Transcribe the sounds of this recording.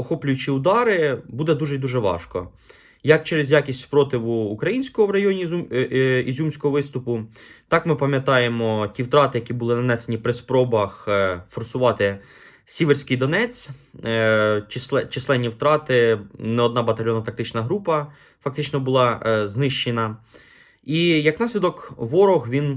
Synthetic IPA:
ɔxɔpʲlʲʊjʊt͡ʃiʊd̪ɑɾɪbud̪ɛd̪uʒɛd̪uʒɛʋɑ̰ʃkɔ̰ | jɐk̚t͡ʃɛɾezʲjakʲisʲtʲpɾɔt̪ɪʋuːkɾɐjinʲsʲkɔɦɔwɾɐjɔnʲimizʲumsʲkɔɦɔʋɪst̪ʊpʊt̪ɑkmɪpɐmʲjɐt̪ɑjemɔtʲiwt̪ɾɑt̪ɪjɐkʲibʊlˠɪnɐnɛsenʲipɾɪspɾɔbɐxfɔrsʊʋɑt̪ɪ | sʲiʋersʲkɪjd̪ɔnɛt͡sʲ | t͡ʃsɛt͡ʃɪsˠɛnʲːiwt̪ɾɑt̪ɪnɛɔd̪nɑbɐt̪ɐlʲjɔnɐt̪ɐk̚t̪ɪt͡ʃnɐɦɾupɐ | fɐkt̪ɪt͡ʃnɔbʊlˠɑznɪʃt͡ʃenɐ | ijɐknɑsʲlʲid̪ɔkʋɔɾɔɣʋʲin

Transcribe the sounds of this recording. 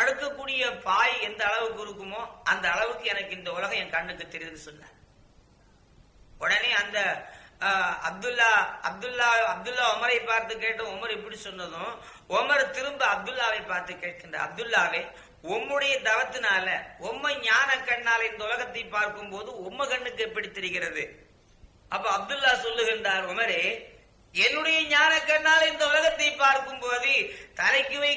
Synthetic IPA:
ɐɽɯkːɐkːuːɽɪjɐpaːjɛnd̪ɐːɭɐʋɯk̬ːɯɪɾɯkːɯmoːʔɐnd̪ɐːɭɐʋɯkːɯɛnɐkːɯɪnd̪ɐʊlɐɣɐ̃ɛnkɐɳːɯkːɯt̪ːɛɾɪʋðɯsɔnːa̰ːɾ | ɔɽɐneːɐnd̪ɐ | ɐb̚d̪ɯlːaːɐb̚d̪ɯlːaːɐb̚d̪ʊlːaːɔmɐɾɐɪpːaːɾt̪ːɯk̬eːʈːɐ̃ɔmɐɾɛp̬ːɐɽisɔnːɐðʊ̃ | ɔmɐɾt̪ɪɾɯmbɯɐb̚d̪ʊlːaːʋɐɪpːaːɾt̪ɯkːeːʈ̚ːkɪɳɐ̰ɐ̰b̚d̪ɯlːaːʋe | ɔmːɯɽɐjɐd̪ɐʋɐt̪ːɯnaːlɐɔmːɐɲaːnɐkːɐɳːaːlɐɪnd̪ɐʊlɐɣɐt̪ːɐɪpːaːɾkɯmpoːðɯɔmːɐkɐɳːɯkːɯɛpːɐɽit̪ːɛɾɪɣɪɾɐðɯ̰ | ʔɐpːɐːɐb̚d̪ɯlːaːsɔlːɯɣɪndraːɾɔmɐɾeɪ | ɛnːɯɽɐjɐɲaːnɐkːɐɳːaːlɐɪnd̪ɐʊlɐɣɐt̪ːɐɪpːaːɾkɯmpoːðɯt̪ɐlɐɪkːɯʋɐɪ

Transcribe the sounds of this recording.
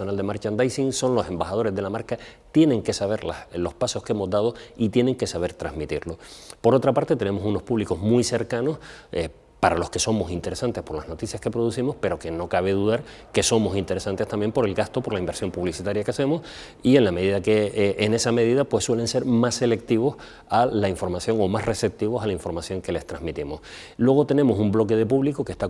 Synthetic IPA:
onald̪e̞maɾt͡ʃaend̪ajsiŋso̞nlo̞se̞mbaxað̞o̞ɾe̞zðe̞lamaɾkat̪je̞nẽ̞ŋke̞saβe̞ɾla̰hlo̞hpaso̞hkeemo̞zd̪að̞o̞it̪je̞nẽ̞ŋke̞saβe̞ɾt̪ɾazmit̪iɾlo̞po̞ɾo̞t̪ɾapaɾt̪e̞t̪e̞ne̞mo̞suno̞hpuβliko̞zmujse̞ɾkano̞s | paɾalo̞ske̞so̞mo̞sint̪e̞ɾe̞sant̪e̞hpo̞ɾlahno̞t̪iθjaskepɾoðusθimo̞hpe̞ɾo̞ke̞no̞kaβ̞e̞ðuðaɾke̞so̞mo̞sint̪e̞ɾe̞sãnt̪est̪ambje̞mpo̞ɾe̞lɡast̪opo̞ɾlaimbeɾsjo̞mpuβlisit̪aɾjakease̞mo̞s | ie̞nlame̞ðiðakeʔene̞same̞ð̞iðapwe̞sswe̞le̞nse̞ɾmasːe̞le̞k̚t̪iβ̞o̞s | alaiɱfo̞ɾmasjoŋo̞masre̞se̞p̚t̪iβ̞o̞salaiɱfo̞ɾmasjo̞ŋke̞le̞st̪ɾazmit̪imo̞s | lwe̞ɣ̞o̞t̪e̞ne̞mo̞sumblo̞k̬e̞ð̞e̞puβlikoke̞st̪a

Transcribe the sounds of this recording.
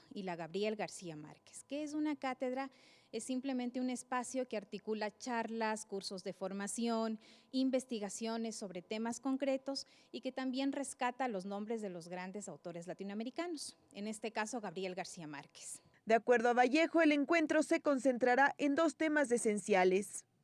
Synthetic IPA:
ilaɣaβɾie̞lɣaɾsiama̰ɾke̥ske̞es̬unakat̪e̞ðɾae̞sːimple̞ment̪eune̞spasjo̞keaɾt̪ikulat͡ʃaɾlaskuɾso̞zðe̞fo̞ɾmasjo̞nimbe̞st̪iɣasjo̞ne̞sːo̞βɾe̞t̪e̞masko̞ŋkɾe̞t̪o̞s | ike̞t̪ambje̞nre̞skat̪alo̞znõ̞mbɾe̞zðe̞lo̞zɣɾand̪e̞sawt̪o̞ɾe̞zlat̪inoame̞ɾikano̞s | e̞̰ne̞st̪e̞kasoɣaβɾie̞lɣaɾsiama̰ɾke̥s | d̪eakwe̞ɾð̞oaβaʝe̞xo̞ele̞ŋkwe̞nt̪ɾo̞se̞ko̞nse̞nt̪ɾaɾaʔe̞nd̪o̞st̪e̞mas̬e̞se̞nsjale̞s

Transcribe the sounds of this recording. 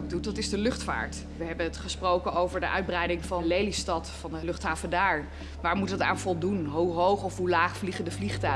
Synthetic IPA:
dut̚dɑtɪzdəlʏχtfa̰ːɹt | ʋəɦɛbənətχəsprowkənowvəɹdəʔœɥd̚brɛjdɪŋvɑlejlistɑtfɑndəlɵχtɦaːvəndaːɹ | ʋaːɹmutəta̰ːnfɔlˠdunɦuɦowχɔfɦulaːχfliχədəvliχtœ

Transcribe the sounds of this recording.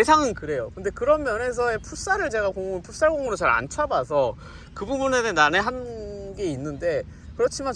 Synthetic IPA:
esʰaŋɯnkɯɾe̞jokɯnde̞kɯɾʌnmjʌne̞s̬ʰʌe̞pʰus͈aɾɯɭt͡ɕe̞ɡakoŋopʰus͈aɭɡoŋoɾot͡ɕaɾa̰nt͡ɕʰwabas̬ʰʌ | kɯbubunenenaneɦanɡe̞inːɯnde̞ | kɯɾʌt͡ɕʰiman

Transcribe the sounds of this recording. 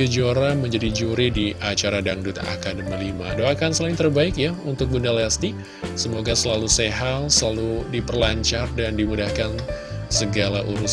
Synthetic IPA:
əd͡ʒoɾaməɲd͡ʒadid͡ʒuɾidiʔat͡ʃaɾadaŋdut̪a̰ʔa̰kandəməlima̰doakansəlaɪŋt̪ərbaɪkjaunt̪ʊk̚bundalast̪i | səmoɡasəlaluseɦalsəlaludipərlaɲt͡ʃardandimudahkansəɡalaʔuɾus

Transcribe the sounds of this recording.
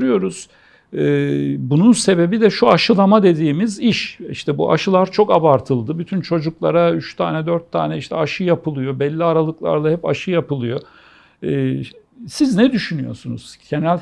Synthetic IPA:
ɾɯjo̞ɾuz̥ | ɯːbununse̞be̞bid̪ɛʃuaʃɯlˠamad̪e̞d̪iːmiziʃḭʃt̪ʰɛbṵʔa̰ʃɯlˠaɾt͡ʃʰo̞kabaɾt̪ʰɯlˠd̪ɯbyt̪ʰynt͡ʃʰo̞d͡ʒuklˠaɾayʃt̪ʰaːnɛd̪øɾt̪ʰːa̰ːnɛiʃt̪ʰɛaʃɯjapɯlˠɯjo̞bɛlʲːiaɾalˠɯklˠa̰ɾlˠahɛpaʃɯjapɯlˠɯjo̞ | ɯː | siznɛd̪yʃynyjo̞̰sunṵz̥ɟʰenælʲ

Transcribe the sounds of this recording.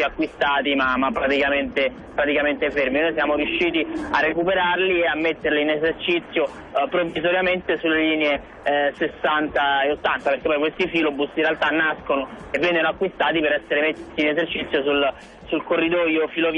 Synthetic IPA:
iakːwist̪aːt̪imamapːɾat̪ikament̪e | pɾat̪ikament̪eferminojs̬jaːmoɾjuʃːiːt̪iarːekupeɾarlieamːet̪ːeɾliːnezert͡ʃit̪sːjo | pɾovːizoɾjament̪esulːeliːnee | sesːant̪aeot̪ːant̪aperke̥pːɔjkwest̪ifilobusinrealt̪anːaskonoevːɛŋːɡonoakːwist̪aːt̪ipeɾɛsːeɾemet̪ːiːnezert͡ʃit̪sːjosul | sulkorːid̪ɔjofilov

